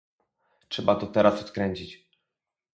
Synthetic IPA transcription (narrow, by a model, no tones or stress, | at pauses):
tʂɛbat̪ɔt̪ɛɾʔasɔt̪kɾɛɲt͡ɕit͡ɕ